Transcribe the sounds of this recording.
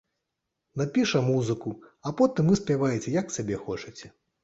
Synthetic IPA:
napʲiʂɐmuzɨkuapɔt̪ɨmvɨsʲpʲavajet͡sʲɛjaksʲabʲɛxɔt͡ʂɨt͡sʲɛ

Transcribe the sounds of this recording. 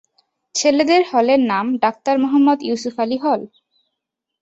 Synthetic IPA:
t͡ɕʰeled̪eɾhɔleɾnamɖak̚t̪aɾmɔɦamːod̪jusufaliɦɔl

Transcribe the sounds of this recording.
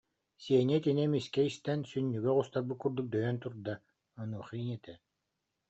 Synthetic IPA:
siɛnɛk̪inɛmiskɛist̪ɛnsynʲːyɡœʁust̪aɾbɯkkːuɾd̪uk̚d̪œjœnt̪uɾd̪a | ɔnuːχɯinɛt̪ɛ

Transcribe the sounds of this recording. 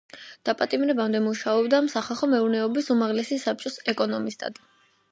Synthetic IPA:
d̪̥apʼat̪ʼimɾɛbamd̪ɛmuʃaɔbd̪amsaχalˠχɔmɛuɾnɛɔbisumaʁlɛsisap̚t͡ʃʼɔsɛkʼɔnɔmist̪ʼa̰d̪

